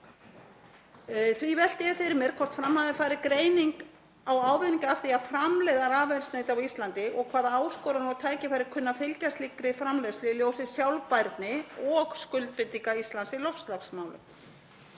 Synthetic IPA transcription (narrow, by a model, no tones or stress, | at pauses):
θvivɛl̥t̪ɪɪfɪɾɪɾmɛɾ̥kʰɔr̥t̪fɾamhaðɪfaːjɾɪkɾeːjniŋk | awaːwvɪðniŋkaafθiafɾamlɛðaɾaːvɛnsneːjt̪awist̪lant̪ɪʔɔɣkʰaːðaaːwskɔːwɾanawt̪ʰaːjcɪfaːjɾɪ̥kʰʏnːafɪlcast̪likɾɪfɾamlɛðslɪljowsɪsjawlpajɾt̪nɪɔɣskʏlt̪̚pɪt̪ːiŋkaist̪lansɪlɔfslaksmawlʏ̰m